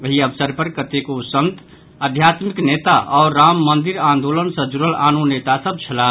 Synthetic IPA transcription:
ʋəɦiəbsəɾpəɾkət̪ekosənt̪ | əd̪ʱjat̪miknet̪aʔɔːɾːamːənd̪iɾãnd̪olənsə̃d͡ʒuɾəlanunet̪asəb̚t͡ʃʰəla

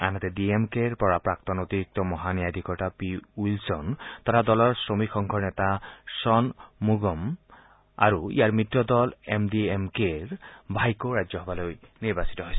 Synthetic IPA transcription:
a̰nat̪ɛdiemkeɹpɔɹapɹak̚t̪ɔnot̪iɹik̚tɔmɔɦanijad̪ʱikɔɹtapiuilsɔnt̪aɾadɔlɔɹsɹomikxɔŋkʰɔɹnɛt̪asɔnmuɡɔm | a̰ɹuḭjaɹmitːɔdɔlḛmdiemkeɹbʱajkoɹajzɔɦɔbalojniɹbasi̥tɔɦojsɛ

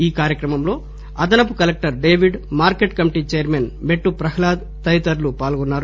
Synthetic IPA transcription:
iːkaːɾjɐkɾɐmɐmlo̞ː | ɐd̪ɐnɐp̬ukɐlek̚ʈɐɾɖe̞ːʋiɖmaːɾkeʈkɐmiʈiːt͡ʃejɐɾmenme̞ʈːupɾɐkʰɐlaːd̪ | t̪ɐjt̪ɐɾlupaːlɡɔnːaːɾu

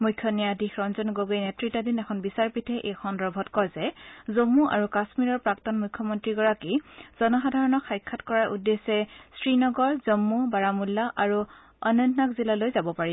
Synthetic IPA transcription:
mujkʰːjɔnijadixɹɔnzɔnɡoɡojnɛtɹitːadinɛkʰɔnbisaɹpitʰɛʔexʰɔndɔbʱɔtkɔjzɛzomːuʔa̰ɹukasmiɹɔɹpɹaktɔnmujkʰːɔmɔntɹiɡɔɹakiz̥ɔnɔxadʱaɹɔnɔkʰːajkʰːatkɔɹaɹʔudːesɛsɹinɔɡɔɹzomːubaɹamulːaʔaɹu | ɔnɔnnakzilalojzabɔpaɹi

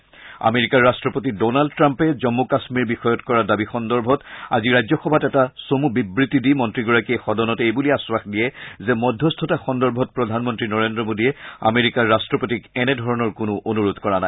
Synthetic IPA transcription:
a̰meɹikaɹːastɹɔpotidɔnaldtɹampɛzɔmːukasmiɹbixɔjɔtkɔɹadabixɔndɔɹbʱɔta̰ziɹajzɔxɔbʱatɛtasomubibɹitːidimɔntɹiɡɔɹakiexɔdɔnɔtejbuliaswaxdijɛzɛmɔdʱːɔstʰɔtaxɔndɔɹbʱɔt̚pɹɔdʱanmɔntɹinɔɹendɹɔmodiɛa̰meɹikaɹːastɹɔpotikɛnɛdʱɔɹɔnɔɹkʊnuʔonuɹodʱkɔɹana

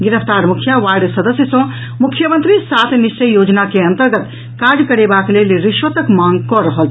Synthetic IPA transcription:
ɡiɾəpʰt̪aɾmukʰjaʋaɾɖsəd̪əsjəsə̃ | mukʰjəmənt̪ɾisat̪ʰnist͡ʃəjːod͡ʒnakeənt̪əɾɡət̪ | kaɾd͡ʒkəɾebaklelɾiʃʋət̪əkmaŋɡkɔɾəɦəlʰ

